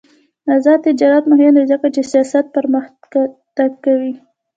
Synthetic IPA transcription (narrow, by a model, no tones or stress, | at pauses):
azɑt̪ɪd͡ʒɑɾat̪mʊɦɪnd̪ezəkat͡ʃesijɑsat̪̚pəɾməx | t̪aɡkawi